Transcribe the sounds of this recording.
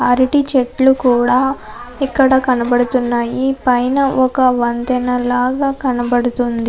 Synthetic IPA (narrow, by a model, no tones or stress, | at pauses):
ɐɾiʈit͡ʃeʈlukuːɽaː | ikːɐɽɐkɐnɐbɐɽut̪unːaːjipɐjnɐʔɔkɐʋɐnt̪ɐnɐlaːɡaːkɐnɐbɐɽut̪und̪i